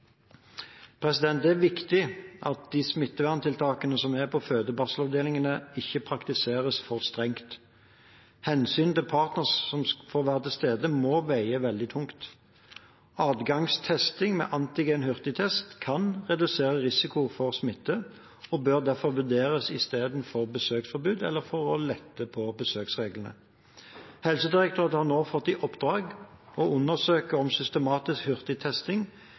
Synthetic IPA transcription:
pʰʁɛsɪd̪ɛnt̪æʁʋɪkt̪ɪʔɑt̪̚d̪iːsmɪt̪ːəʋæʁnt̪ʰɪlt̪ʰɑːkənəsɔmæʁpʰɔføːd̪əbɑsəlɑʋd̪eːlɪŋənəɪçəpʰʁɑkt̪ɪseːʁəsfɔʁst̪ʁɛŋkt̪ | hɛnsyːnt̪ɪlpʰɑːʁt̪nəʁssɔmfoːʁʋæːʁət̪ʰɪlst̪eːd̪əmoːʋæɪəʋɛld̪ɪt̪ʰʊŋkt̪ | ɑːd̪ɡɑŋst̪ʰɛst̪ɪŋmɛ̰ːʔɑnt̪ɪɡeːnhʉʁt̪ɪt̪ʰɛst̪kʰɑnʁɛd̪ʉseːʁəʁɪsɪkʊfɔʁsmɪt̪ːə | ɔbøːʁd̪æʁfɔɾʋʉd̪eːʁəsɪst̪eːd̪n̩fɔʁbəsøːksfɔɾbʉːd̪ɛ̰lːəɾfɔʁɔlɛt̪ːəpʰɔbəsøːksʁeːɡlənə̰ | hɛlsəd̪ɪʁəkt̪ʰøːʁət̪əhɑʁnoːfɔt̪ːɪʔɔpd̪ɾɑːɡɔʔʉnːəʁsøːkəɔmsʏst̪əmɑːt̪ɪskhʏʁt̪ɪt̪ʰɛst̪ɪŋ

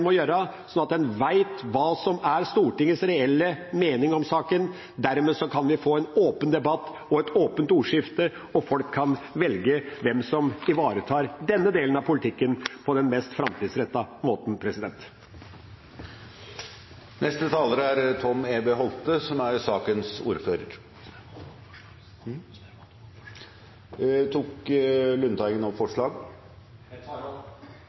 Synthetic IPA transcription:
mɔjøːɾəsɔnɑt̪̚d̪ɛnʋæɪt̪ʋɑːsɔmæɾst̪uːʈɪŋːəsɾɛɛlːəmeːnɪŋɔmsɑːkən | d̪æɾmeːsɔkʰɑnʋɪfoːɛnoːpənd̪ɛbɑt̪ː | ɔɛt̪oːpənt̪uːʂɪft̪ə | ɔfɔlkʰːɑnʋɛlɡəʋɛmsɔmɪʋɑːɾət̪ʰɑːɾd̪ɛnːəd̪eːlənɑʋpʰʊlɪt̪ʰɪkːənpʰɔd̪ɛnmɛst̪fɾɑmt̪ʰiːd̪sɾɛt̪ːɑmoːt̪n̩pʰɾɛsɪd̪ɛnt̪ | nʔɛst̪ət̪ʰɑːləɾəæɾt̪ʰɔmeːbeːɦɔlt̪əsɔmæɾsɑːkənsṵːɾføːɾə̰ɾ | t̪ʰuːklʉnt̪ʰɑɪɡənɔfɔʂɭɑːɡ

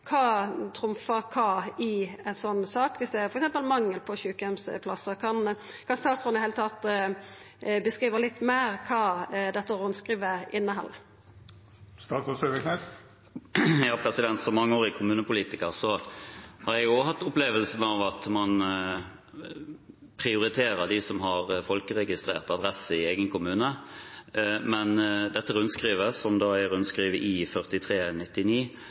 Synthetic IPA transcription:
kʰɑːt̪ʰɾʊmfəkʰɑːɪɛnsɔnːsɑːkʋɪsd̪ɛæfɔɾɛksɛmpəlmɑŋːəlpʰɔçʉːkəɛmspʰlɑsəkʰɑn | kʰɑnst̪ɑːsʁʊnɪheːlət̪ʰɑt̪ | bəskʁiːʋəʁlɪt̪ːmeːɾkʰɑːd̪ɛt̪ːəʁʊnskʁiːʋəɪnːəɦɑ̰lːə | st̪ɑːʊsøʋəknɛs | jɑːpʰɾɛsɪd̪ɛnt̪sɔmɑŋːəoːɾɪkʰʊmʉːnəpʊliːt̪ɪkəʁsɔhɑɾjɛɡjohɑt̪ːʊpleːʋəlsənɑʋɑt̪mɑn | pʰʁɪʊɾɪt̪ʰeːɾəʁd̪ɪsɔmɦɑʁfɔlkəʁɛɡɪst̪ɾḛːʁt̪ɑd̪ʁɛsːəɪeːɡənkʰʊmʉːnə | mɛnd̪ɛt̪ːəʁʉnskʁiːʋəsɔmd̪ɑːæʁʉnskʁiːʋəʔɪfœʁt̪ɪt̪ʰʁeːnɪt̪ːɪniː

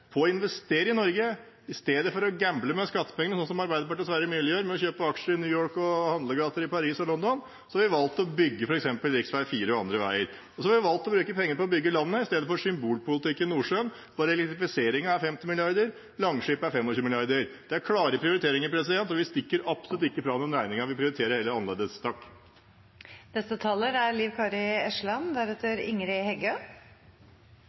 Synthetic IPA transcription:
pʰɔɪnʋɛst̪eːɾəɪnɔɾɡə | ɪst̪eːd̪əfɔɾɔɡæmbləmɛskɑt̪ːə̥pʰɛŋənəsɔnsɔmɑɾbæɪd̪əpɑʈəɳəsʋæɾəmʉːlɪjøːɾmɛɔçøːpəɑkʂəɪnyːjoːɹkɔhɑnd̪ləɡɑːt̪əɾɪpɑɾiːsɔlɔnd̪ɔn | sɔhɑʋɪʋɑlt̪ːɔbʏɡːəfɔɾɛksɛmpəlɾɪksʋæɪfiːɾəɔɑ̰nd̪ɾəʋæ̰ɪəɾ | ɔsɔhɑʋɪʋɑlt̪ɔbɾʉːkəpʰɛŋːəɾpɔɔbʏɡːəlɑnːəɪst̪eːd̪əfɔʂʏmbuːlpʊlɪt̪ʰɪkːənnuːʂøːn | b̥ɑːɾəɛlɛk̚t̪ɾɪfɪseːɾɪŋɑæɾfɛmt̪ɪmɪlɪɑɾd̪əɾ | lɑŋʂyːpəæɾfɛmːɔɕʉːmɪlɪɑɾd̪əɾd̪̥ɛæɾkʰɽɑːɾəpʰɾɪʊɾɪt̪ʰeːɾɪŋəɾpʰɾɛsɪd̪ɛnt̪ɔʋɪst̪ɪkːəɾɑpsʊlʉt̪ɪkːəfɾɑːʋnɛnɾæɪnɪŋɑʋɪpʰɾɪʊɾɪt̪ʰeːɾəɾheːləɑnlḛːd̪əst̪ɑːk | nɛst̪ət̪ʰɑləɾæɾliːʋkʰɑɾɪɛʂɭɑnd̪æɾɛt̪ːəɾɪ̰ŋɾɪhɛɡø

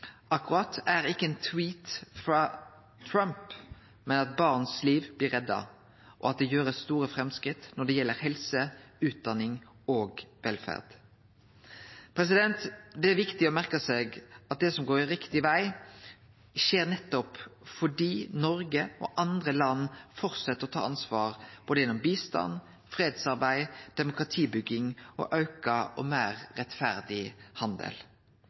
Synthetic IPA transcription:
ɑkːʊɾɑt̪æɾɪkːəɛnt̪ʰwiːt̪fɾɑ | t̪ʰɾœmp | mɛnɑt̪bɑːʁnsliːʋblɪɾɛd̪ːɑ̰ | ʔɔɑt̪̚d̪ɛjøːɾəst̪uːɾəfɾɛmskɾɪt̪nɔɖ̪ɛjɛlːəɾhɛlsəʉːt̪̚d̪ɑnɪŋ | oːɡʋɛlfæ̰ʁd̪̥ | pʰɾɛs̬ɪd̪ɛnt̪d̪ɛæɾʋɪkt̪ɪɔmæɾkəsɛɡɑt̪̚d̪ɛsɔmɡoːɾɪɾɪkt̪ɪʋæɪ | ʃeːɾnɛt̪ːɔpfɔɖiːnɔɾɡəɔ̰ʔɑnd̪ɾəlɑnːfɔɾt̪sɛt̪ːəɾɔt̪ʰɑ̰ːɑnsʋɑːʁb̥oːd̪əjɛnɔmbiːst̪ɑ̰n | fɾeːd̪sɑɾbæɪd̪̥ɛmʊkɾɑt̪ʰiːbʏɡːɪŋɔ̰ʔɑʉkɑɔ̰mæːɾːɛt̪fæɾd̪ɪhɑnd̪ə̰l

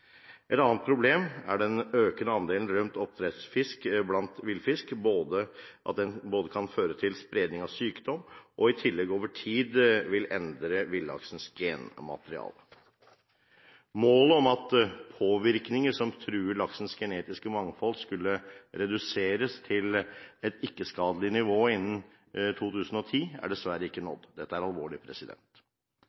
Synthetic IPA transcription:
ʔɛt̪ɑːnt̪̚pʰɾʊbleːmæɖɛnøːkənəɑnd̪eːln̩ɾœmt̪ɔp̚t̪ʰɾɛt̪sfɪskblɑnt̪ʋɪlfɪskboːd̪əʔɑ̰t̪̚d̪ɛnboːd̪əkʰɑnføːɾət̪ʰɪlspɾeːd̪nɪŋɑʋsyːkd̪ɔmʔɔɪt̪ʰɪlːɛɡoːʋəʈʰiːd̪ʋɪlʔɛnd̪ɾəʋɪlːɑ̰ksənsɡeːnmɑ̰t̪əɾɪɑ̰ːlə | moːləɔmɑt̪pʰoːʋɪɾknɪŋəʂɔmt̪ʰɾʉːɭɑksn̩sɡɛneːt̪ɪskəmɑŋfɔlskʉlːəɾɛd̪ʉseːɾəst̪ʰɪlɛt̪ɪkːəskɑːd̪əlɪnɪʋoːɪnːn̩ | t̪ʰuːt̪ʰʉːsn̩ɔt̪ʰiːæ̰ɖɛsʋæɾəɪkːənɔ̰d̪ːd̪ɛt̪ːəæɾɑlʋoːɭɪpʰɾɛsɪd̪ɛ̰nt̪

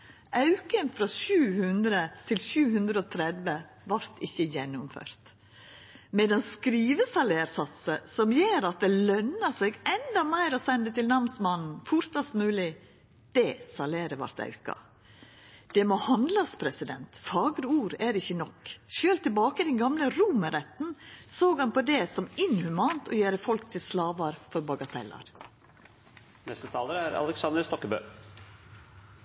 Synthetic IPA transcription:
ɑʉkənfɾɑːʃʉːhʉnd̪ɾət̪ʰɪlʃʉːhʉnd̪ɾəɔːt̪ʰɾɛd̪ʋə | ʋɑɾt̪ɪçːəjɛnːʊmfø̰ːɾt̪ | mɛd̪ɛnskɾiːʋəsɑleːɾsɑt̪səsɔmjeːɾɑt̪̚d̪ɛlœnəsɛɡɛnd̪ɑmæɪɾɔsɛnd̪ət̪ɪlnɑmsmɑnn̩fʊɾt̪ɑst̪mʉːlɪ | d̪̥ɛsɑleːɾəʋɑ̰ɾt̪ɑ̰ʉkɑ̰ | d̪̥ɛmoːhɑnd̪lɑspʰɾɛsɪd̪ɛnt̪fɑːɡɾəuːɾæɾɪçːənɔkʃøːlt̪ɪlbɑːkəd̪ɛnɡɑmləɾuːməɾɛt̪n̩soːɡhɑnpɔd̪ɛsɔmɪnhʉmɑːnt̪ʰɔjæːɾəfɔlkt̪ʰɪlslɑːʋɑɾfɔɾbɑɡɑt̪ʰɛ̰lːɑ̰ɾ | nɛst̪ət̪ʰɑːləɾæɾɑ̰lɛksɑnd̪əɾst̪ɔkːəbø̰ː

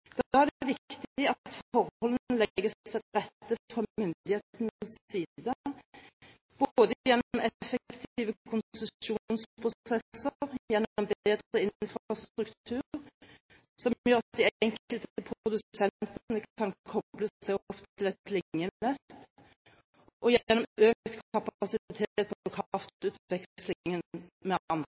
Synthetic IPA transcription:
d̪̥æʁd̪ʋɪkt̪ɪɑt̪fɔʁhɔlən̩lɛɡəst̪ʰɪʁɛt̪ːəfʁɑmʏnd̪d̪ɪheːt̪nsiːd̪ə | b̥od̪əjɛnːɔmʔɛfəkt̪iːʋəkʰʊnsəuːnspʰʁʊɛsəʁjɛnːɔmbeːd̪ʁəɪnfʁɑst̪ʁʉkt̪ʰʉːʁʁ | sɔmjœʁd̪iɛŋkəlt̪əpʰʁʰʁʊd̪ʉsɛnt̪nəɑnkʰɔb̥ləæɪpt̪ʰɪlɛt̪lɪŋːəɛt̪ | ʔɔjɛnɔmøːkt̪kʰɑpɑsɪt̪ʰet̪̚pʰkʰɑft̪ʉːt̪ʋɛkslɪŋənmɛɑnd̪ə

